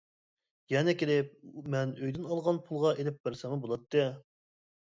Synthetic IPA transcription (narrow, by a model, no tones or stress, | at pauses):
jɛnɛkʲelɪp̚mɛnøjd̪ynɑlˠʁɑnpʰulˠʁɑʔelɪp̚bæɾsæmɨbolˠɑt̪ːɨ